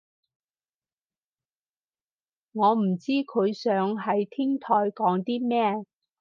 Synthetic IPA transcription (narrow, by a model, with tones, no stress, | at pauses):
ŋɔː˨˧m̩˨˩t͡siː˥kʰɵ˨˧ɥsœː˨˧˥ŋɦɐ˨jt̪ʰɪ˥ŋt̪ʰɔː˧jkɔː˨˥ŋt̪iː˥mɛː˥